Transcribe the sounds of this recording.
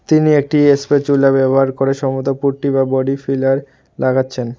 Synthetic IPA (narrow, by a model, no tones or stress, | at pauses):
t̪iniek̚ʈiespet͡ɕulabɛboɦaɾkoɾeʃɔmot̪opuɾʈiβabɔɖifilaɾ | laɡʰatːɕʰen